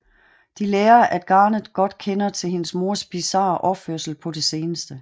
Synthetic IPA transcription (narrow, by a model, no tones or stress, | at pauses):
d̥ileːɐʔæd̥̚ɡ̥ɑ̈ːnəð̩ˠɡ̥ɒ̽d̥kʰenɐt͡sʰe̝lhe̝nəsmo̝ɐsb̥isɑ̰̈ːʔɒ̽føɐsl̩pʰɒ̽d̥e̝se̝ːnəsd̥ə